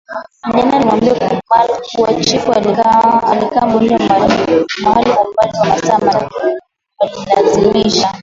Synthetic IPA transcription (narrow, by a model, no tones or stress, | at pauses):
ɲananimambiakkalkuat͡ʃifualikawaalikawambɔndɔmalinawaliampaliwamasamaɾa | walilazimiʃa